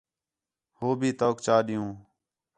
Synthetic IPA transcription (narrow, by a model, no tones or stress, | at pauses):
hoːbʱiːt̪oːkt͡ʃaːɗɪjũː